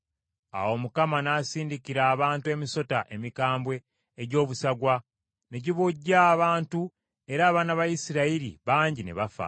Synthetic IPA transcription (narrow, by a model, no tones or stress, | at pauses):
a̰wo̞mukamanaːsiːndikiɾaːβaːntue̞ːmiso̞taʔe̞mikaːmbwe̞ː | ɟo̞ːβusaɡwa | ne̞ɟiβoɟːaβaːntu | e̞ɾaːβanaβajisiɾaiɾḭβaːɲɟinḛβafa̰